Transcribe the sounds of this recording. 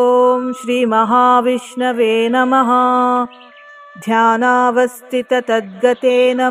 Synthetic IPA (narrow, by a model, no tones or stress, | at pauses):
omʃɾiːmɐɦaːʋiʂɳɐʋeːnɐmɐɦɐ | d̪ʱjaːnaːʋɐst̪it̪ɐt̪ɐd̪̚ɡɐt̪eːnɐ